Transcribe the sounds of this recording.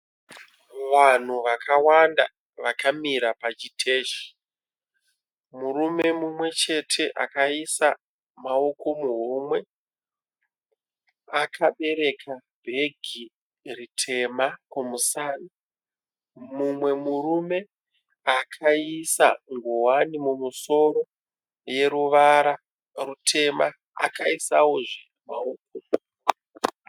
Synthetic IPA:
ʋan̤uʋakʰawanda | ʋakamiɾapat͡ʃitʰe̞ːʃi̥ | murume̞mumwe̞t͡ʃe̞tʰe̞ʔakaisa | mao̞ko̞muɦumwe̞ | akʰaɓe̞ɾe̞kʰabʱe̞ɡʱi | ritʰe̞makomusani | mumwe̞muɾume̞ | akʰaisa̰ŋɡowanimumuso̞ɾo̞ | je̞ɾuʋaɾa | rutʰe̞ma | a̰kaisawoʐe | maok̚o

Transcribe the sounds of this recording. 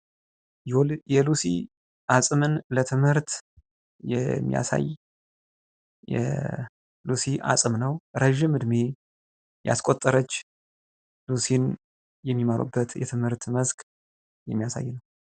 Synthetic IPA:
jɛlusḭ | ʔasʼɨmɨnlət̪ʰɨmhɨɾt̪ | jɛmːḭja̰sa̰j | jɛ̰ | lusiʔa̰sʼɨmnəwɾəʒɪmɨd̪me | ja̰skʼot̪ʼːəɾət͡ʃː | lusin | jɛmːimaɾṵbːət̪jɛ̰t̪ʰɨmhɨɾt̪məzkʼ | jɛmːijasa̰jːnəw

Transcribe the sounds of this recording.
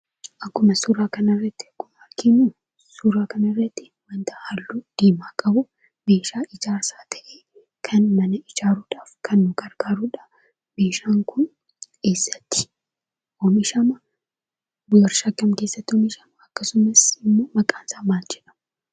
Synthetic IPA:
ʔɐkːʊmɐsuːɾaːkɐnɐrːɐt̪ːɪ̥ɐkːʊmɐɾkinuː | suːɾaːkɐnɐrːɐt̪ːɪ̥ | wɐnt̪ɐhalːuːd̪̥iːmaːkʼɐbʊ | be̞ːʃaːɪd͡ʒaːɾsaːt̪ʰɐ̥ʔeː | kʰɐnmɐnɐɪd͡ʒaːɾuːᶑaːfkʰɐnːʊɡɐɾɡaːɾuːᶑaː | be̞ːʃaːŋkʊn | ke̞ːsːɐ̥t̪ːɪ̥ | ʔɔmɪʃɐmɐ | bjɐɾʃɐkʼːɐmke̞ːsːɐt̪ːɪɔmɪʃɐmɐɐkːɐsʊmɐsɪmːo̞ːmɐkʼaːnsaːmaːld͡ʒɛᶑɐ̥m

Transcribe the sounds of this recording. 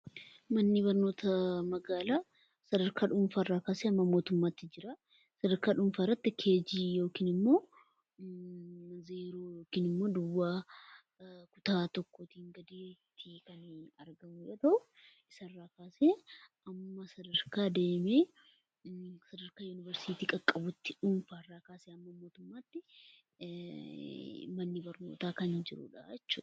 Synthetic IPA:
mɐnːɪbɐɾno̞ːt̪ʰɐmɐɡaːlaː | sɐd̪ɐɾkaːᶑʊɱfaːrːaːkaːseːɐmːɐmo̞ːt̪ʊmːaːt̪ːɪd͡ʒɪɾɐ | sɐd̪ɐɾkaːᶑʊɱfaːɪrːɐt̪ːɪkʰe̞ːd͡ʒiːjo̞ːkiːnɪmːo̞ː | mɐzeːɾoːjoːkiːnɪmːo̞ːd̪ʊwːaː | kʊ̥t̪aːt̪ɔkːoːt̪iːŋɡɐd̪eːt̪ʰːɪkɐnɐɾɡɐmʊjoːt̪ɐʔʊ | ʔɪsɐrːaːkaːseːʔɐmːɐsɐd̪ɐɾkaːd̪e̞ːmeː | sɐd̪ɐɾkaːjʊnɪvɐɾsiːt̪iːkʼɐkʼːɐbʊt̪ːɪᶑʊːnfaːɪrːaːkaːseːɐmːɐmo̞ːt̪ʊmːaːt̪ːɪ | mɐnːɪbɐɾno̞̰ːt̪aːkɐnɪd͡ʒɪɾʊ̰ᶑa̰jɛt͡ʃːṵːᶑɐ̥

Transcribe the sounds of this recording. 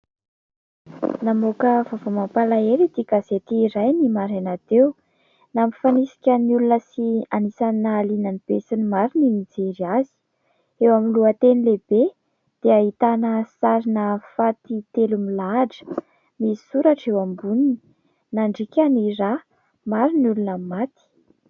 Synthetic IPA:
namokəvavomampalaeɾid̪iɡazet̪iːɾajnimaɾanat̪ew | namifanisi̥kʲənulunəsianisanːaːlinanibesinimaɾininid͡zeɾiazi̥ | ewamiluət̪enilebe | d̪̥eaɦit̪anəsaɾinəfat̪it̪elumilaɖ͡ʐə̥ | misuɾaʈ͡ʂewambunini | naɳɖ͡ʐikʲanira | maɾinulunəmat̪i̥

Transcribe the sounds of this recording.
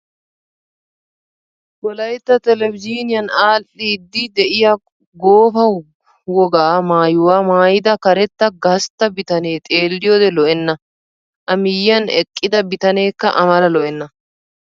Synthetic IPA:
wɔlɐjt̪ːɐt̪ɛlɛvɪd͡ʒiːnɪjɐnaːlːid̪ːɪd̪ɛʔɪjɐ | ɡo̞ːfɐw | wɔɡaːmaːjʊwaːmaːjɪd̪ɐkɐɾɛt̪ːɐɡɐst̪ːɐbɪt̪ɐne̞ːt̪ʼe̞ːlːɪjo̞ːd̪ɛlɔʔɛnːɐ | ʔɐmɪjːɐnɛ̰kʼːɪd̪ɐbɪt̪ɐne̞ːkːɐ̰ʔɐmɐlɐlɔʔɛnːɐ

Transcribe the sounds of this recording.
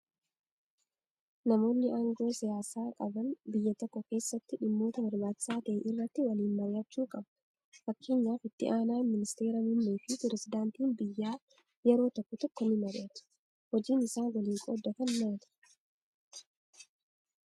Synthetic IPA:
nɐmo̞ːnːɪʔaːŋɡo̞ːsɪjaːsaːkʼɐbɐnbɪjːɐt̪ɔkːɔke̞ːsːɐt̪ːɪᶑɪmːo̞ːt̪ɐbɐɾbaːt͡ʃːɪ̥saːt̪ɐʔɛʔɪrːɐt̪ːɪwɐliːnmɐɾaːt͡ʃːuːkʼɐbɐ | fɐkːeːɲːaːfɪt̪ːɪ̰ʔaːnaːmɪnɪst̪e̞ːɾɐmʊmːeːfɪpɛɾɛsɪd̪aːnt̪iːnbɪjːaː | jɛɾo̞ːt̪ɔkːɔt̪ɔkːɔmɪmɐɾeːt̪ɐ̥ | hɔd͡ʒiːnɪsaːnwɐliːŋkʼo̰ːd̪ːɐfɐnːaːt̪ɐ̥

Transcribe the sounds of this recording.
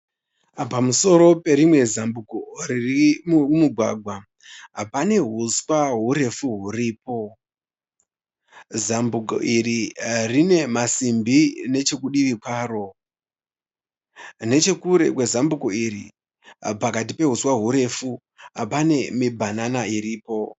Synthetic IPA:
pamuso̞ɾo̞pe̞ɾimwe̞zambukoririmumuɡʱwa̰ɡʱwa | ɦapane̞ɦuswaɦuɾe̞fuɦuriːp̚o̞ | zambuko̰ʔiririne̞masimbine̞t͡ʃe̞kuɗiʋikwaːro̞ | ne̞t͡ʃe̞kuɾekwe̞zambukoiɾḭ | pakatipe̞ɦuswaɦuɾe̞fu | ɦapane̞mibʱananaiɾiːpo̞

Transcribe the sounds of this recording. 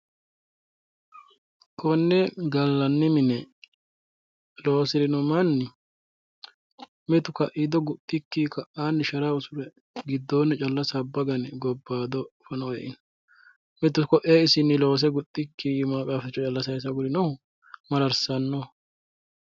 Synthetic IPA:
kʰʼɔnːɛɡɐlːɐnːɪmɪnɛ | lo̞ːsɪɾɪnʊmɐnːɪ | mɛt̪ʊkɐʔɪd̪ɔɡʊt̪ʼːɪkːiːkɐʔːaːnːɪʃɐɾaʊsʊɾɛ | ɡɪd̪ːoːnːɛt͡ʃʼɐlːɐsɐbːɐɡɐnɪɡɔbːaːd̪ɔfɐnɔɛʔɪnɐ | mɛt̪ːʊkɔʔeːɪsɪnːɪlo̞ːs̬ɛɡʊt̪ʼːɪkːimaːkʼaːfɛt͡ʃːɔt͡ʃʼɐlːɐsɐjɪs̬ɐɡʊɾɪnɔhʊ | mɐɾɐɾsɐnːɔ

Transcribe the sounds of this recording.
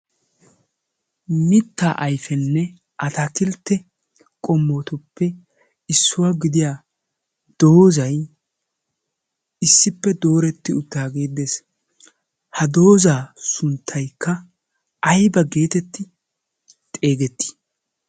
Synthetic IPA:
mɪt̪ːa̰ːʔɐjfɛnːɛ | ʔɐt̪ak̪ɪlt̪ːɛ | kʼɔmːoːt̪ʊpːɛ | ɪsːʊwaːɡɪd̪ɪjaː | d̪̥o̞ːzɐj | ɪsːɪpːɛd̪o̞ːɾɛt̪ːɪʊt̪ːaːɡe̞ːd̪eːs | hɐd̪o̞ːzaːsʊnt̪ʰːɐjkːɐ | ɐjbɐɡe̞ːt̪ɛt̪ːɪ | t̪ʼe̞ːɡɛt̪ːi̥

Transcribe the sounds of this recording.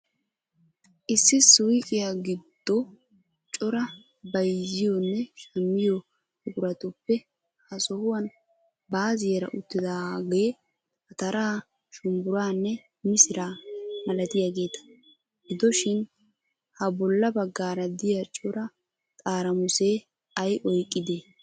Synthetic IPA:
ʔɪsːɪsʊjkʼɪjaɡɪd̪̥ːɔ | t͡ʃʼɔɾɐ | bɐjzɪjɔnːɛʃɐmːɪjɔ | hʊkʊɾɐt̪ʊpːɛ | hɐsɔhʊwɐn | baːzɪjɛɾɐ̰ʔʊt̪ːɪd̪aːɡe | hɐt̪ɐɾaː | ʃʊmbʊɾaːnːɛ | mɪsɪɾaːmɐlɐt̪ɪjaɡe̞ːt̪ɐ̥ | ɡɪd̪ɔʃɪn | hɐbɔlːɐbɐɡːaːɾɐd̪ɪjat͡ʃʼɔɾɐ | t̪ʼaːɾɐmʊse̞ː | ɐjʔɔjkʼːɪd̪eː

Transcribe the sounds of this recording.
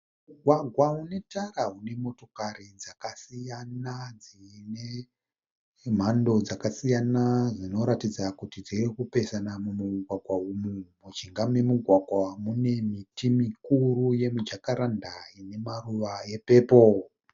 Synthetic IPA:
uɡʱwaɡʱwaɦune̞taraɦune̞mo̞to̞kaɾid͡zakasijanad͡zine̞ | m̤ando̞d͡zakasijanaʐino̞ɾatid͡zakutid͡zirikupe̞sanamumuɡʱwaɡʱwaumumud͡ʒiŋɡamemuɡʱwaɡʱwamune̞mitimikuruje̞mud͡ʒakaɾandaine̞maruʋaje̞pe̞ːpo

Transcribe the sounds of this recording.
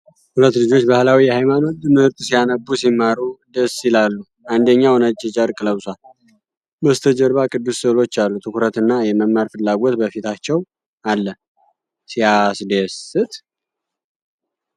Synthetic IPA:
hulət̪ːlɨd͡ʒo̞t͡ʃːbahlawijɛhajmano̞t̪ɨmɨhɨɾt̪ʼsijanəbːusimːaɾud̪əsɪlalːu | ʔand̪əɲːawnəd͡ʒʼːɛt͡ʃʼəɾkʼɨləβsal | bəst̪ʰəd͡ʒəɾβakʰʼɨd̪ːussɨlo̞t͡ʃːalːut̪ʰɨkʰuɾət̪ɨnːajɛməmːaɾfɨlːaɡo̞t̪bəfit̪ʰat͡ʃːɛw | alːə | sijasd̪əsɨt̪ʼ

